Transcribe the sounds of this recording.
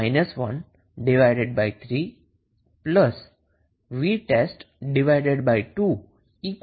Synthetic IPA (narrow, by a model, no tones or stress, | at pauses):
jnəsʋən | ɖiʋajɖeɖbajt̪ʰɾiː | pləs | ʋiʈesʈ | ɖiʋajɖeɖbajʈuː | ik